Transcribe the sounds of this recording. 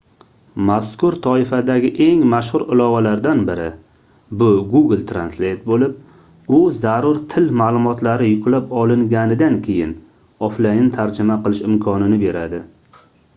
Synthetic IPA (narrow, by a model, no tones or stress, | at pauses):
maskʊɾt̪ʰɒɪfad̪aɡʲɪʔe̞ŋmaʃhʊɾɪlˠɒvalaɾd̪anbɪɾɪ | bʊɡuɡɪlt̪ʰɾanslejt̪̚bolɪp̚ | ʊzaɾʊɾt̪ʰɪlmaːlˠʊmɒt̪laɾɪjʊklapɒlˠɪŋɡʲanɪd̪ankʲʰe̞jɪ̰n | ɒflajɪnt̪ʰaɾd͡ʒɪmaqɨlˠɪʃɪmkʰɒnɪnɪbe̞ɾad̪ɪ